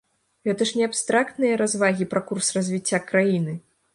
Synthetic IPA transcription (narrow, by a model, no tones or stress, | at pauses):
ɣɛt̪ɐʂnʲɛapst̪ɾakt̪nɨjɐɾazvaɣʲipɾakursrɐzʲvʲit͡sʲːakɾajinɨ